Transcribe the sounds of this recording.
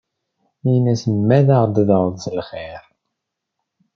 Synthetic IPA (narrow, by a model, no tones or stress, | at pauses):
inæsəmːæðaʁd̪ðəʁˤðˤsəlχiɾ